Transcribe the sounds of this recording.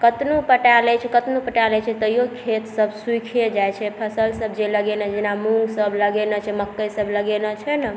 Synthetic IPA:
kət̪nupəʈalɛt͡ʃʰɛkət̪nupəʈalɛt͡ʃʰɛt̪əijokʰet̪səbʱsuikʰied͡ʒajt͡ʃʰɛpʰəsəlsəbʱd͡ʒeləɡenad͡ʒenamũŋɡsəbʱləɡenət͡ʃʰɛməkːəjsəbʱləɡenət͡ʃʰɛnə

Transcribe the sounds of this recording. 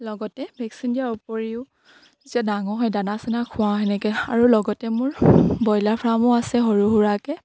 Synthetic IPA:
lɔɡɔtɛbʱɛksindiaɹupoɹiʊ | zitiadaŋɔɦɔjdanasɛnakʰʊwaɦɛnɛkɛa̰ɹulɔɡɔtɛmʊɹbɔjlapʰɹamʊasɛɦoɹuɦuɹakɛ

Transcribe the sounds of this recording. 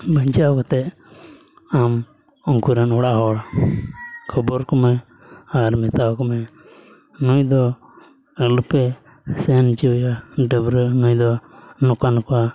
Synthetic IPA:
bəɲt͡ʃawkɔt̪ɛ | am | ɔŋkuɾanɔɽaɦɔɽa | kʰɔbɔɾkɔmɛ | aɾmɛt̪awkɔmɛ | nujd̪ɔ | əlupɛ | sɛnt͡ʃijaɖəbɾənujd̪ɔnukanka

